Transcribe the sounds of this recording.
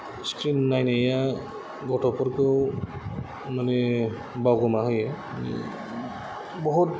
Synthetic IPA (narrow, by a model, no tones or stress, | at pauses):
skɹinajnaja | ɡɔtʰɔpɔɾkew | manɛ | bawɡɔmaɦɔjɛ | anḭ | bɔɦut̚